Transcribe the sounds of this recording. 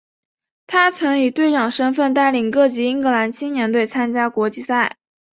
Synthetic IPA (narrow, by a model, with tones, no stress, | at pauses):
t̪ʰa˥t͡sʰɤ˧˥ŋi˨˩t̪we˥˧ɪʈ͡ʂɑ˨˩ŋʂə˥nfə˥˧nt̪̬a˥˩ɪli˨˩ŋkɤ˥˩t͡ɕi˧˥i˥ŋkɤ˧˥la˧˥nt͡ɕʰi˥njɛ˧˥nt̪we˥˩ɪt͡sʰa˥nt͡ɕja˥kwɔ˧˥t͡ɕi˥˧sa˥˩ɪ